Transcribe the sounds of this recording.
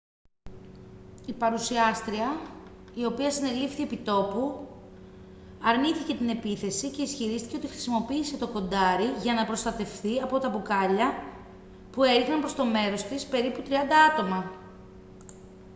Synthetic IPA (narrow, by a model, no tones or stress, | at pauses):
ipɐɾusiɐst̪ɾiɐio̞piɐsine̞lift̪ie̞pit̪o̞pu | ɐɾniθice̞t̪ine̞piθe̞sice̞isçiɾist̪i̥ceot̪ixɾi̥simo̞piːse̞t̪o̞ko̞nd̪ɐɾiʝɐnɐpɾo̞st̪ɐt̪e̞fθiɐpo̞t̪ɐpukɐʎɐ | pue̞ɾixnɐmpɾost̪o̞me̞ɾo̞st̪ispe̞ɾiput̪ɾiɐnd̪ɐɐt̪o̞mɐ